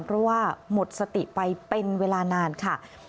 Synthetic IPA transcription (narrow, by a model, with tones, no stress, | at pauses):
npʰɾɔ˦˥waː˥˩mo˨˩t̪̚sa˧t̪i˨˩ʔpa˧jpe˧nweː˧laː˧naː˧nkʰa˥˩